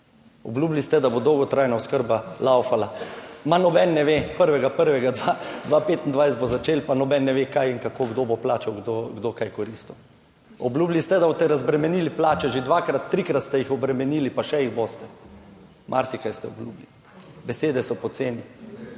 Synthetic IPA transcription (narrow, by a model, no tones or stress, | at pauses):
ɔ̰bluːblist̪ɛd̪abod̪ɔwɡɔt̪ɾajnaɔskəɾbalawfalamanɔbɛnːɛʋepəɾʋɛɡapəɾʋɛɡad̪ʋad̪ʋapet̪ind̪ʋajset̪bozat͡ʃeːlpanɔbɛnːɛʋekajiŋkakoɡd̪oboplaːt͡ʃawɡd̪oɡd̪okajkɔɾist̪ɔw | ɔblublist̪ɛd̪abot̪ɛɾazbɾɛmɛniliplaːt͡ʃɛʒed̪ʋakɾat̪ːɾikɾat̪st̪ɛjixɔbɾɛmɛniːlipaʃɛjiɣbost̪ɛ | mʔa̰ɾsikajst̪ɛɔblubli | bɛseːd̪ɛsɔpɔt̪seːni